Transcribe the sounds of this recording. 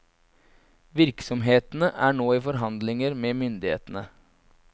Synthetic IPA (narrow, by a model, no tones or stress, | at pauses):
ʋɪɾksɔmɦeːt̪n̩əʔæːɳoːiːfɔɾɦɑnd̪lɪŋəɾmeːmʏnd̪ɪhḛːt̪ənə